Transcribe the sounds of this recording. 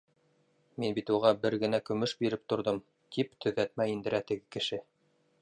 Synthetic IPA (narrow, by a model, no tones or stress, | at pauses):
minbit̪uʁɑbɘɾɡɘ̆nækɵ̆mɵʃbiɾɘp̚t̪ŏɾðɤm | t̪ʰipt̪ʰɵ̆ðæt̪mæind̪ɘ̆ɾæt̪ɘ̆ɡɘkɘ̆ʃɘ